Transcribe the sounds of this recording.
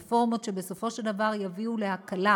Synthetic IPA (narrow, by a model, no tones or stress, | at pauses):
fo̞ʁmotʃe̞be̞so̞fo̞ʃeld̪avaʁjaviule̞ɦakala